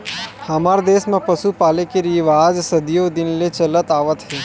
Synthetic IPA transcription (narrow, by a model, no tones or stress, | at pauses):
hɐmaːɾd̪eːsmẽpəsupaːlekeɾiʋaːd͡ʒsəd̪jod̪ɪnlet͡ʃələt̪aːʋət̪ɦɛː